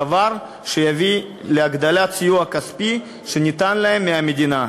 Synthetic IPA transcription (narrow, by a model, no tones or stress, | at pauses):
avaɾ | ʃejavi | leaɡd̪alat̪t͡sijuakaspi | ʃenʲit̪anlaemːeamed̪ina